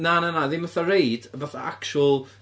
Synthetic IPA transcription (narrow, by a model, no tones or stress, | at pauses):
nananaðɪmaθarejdəbaθa̰akʃʊlˠ